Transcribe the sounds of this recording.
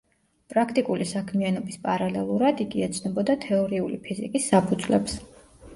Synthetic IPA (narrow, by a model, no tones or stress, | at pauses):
pʼɾakʰt̪ʼikʼulisakʰmianɔbispʼaɾalɛlˠuɾad̪iɡiɛt̪sʰnɔbɔd̪at̪ʰɛɔɾiulḭpʰizḭkʼisːapʰud̪zlɛ̰ps